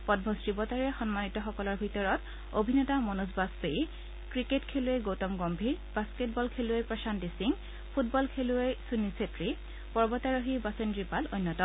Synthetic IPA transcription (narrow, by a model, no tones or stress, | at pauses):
pɔd̚bʱɔstibɔtaɹɛxɔnmanitɔxɔkɔlɔɹbʱitɔɹɔt | obʱinɔtamɔnozbaspej | kɹiketkʰelueɡowtɔmɡɔmbʱiɹbasket̚bɔlkʰeluejpɹɔsantisiŋ | pʰutbɔlkʰeluejsunisetɹi | pɔɹbɔtaɹoɦibasendɹipalo̰jnːɔtɔ